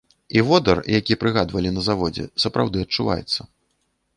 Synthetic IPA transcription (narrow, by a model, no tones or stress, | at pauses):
ivɔd̪ɐrjakʲiɛpɾɨɣad̪vɐlʲinɐzavɔd͡zʲɛ̰sɐpɾawd̪ɨɐt̚t͡ʂːuva̰jɛ̰t̪sːɐ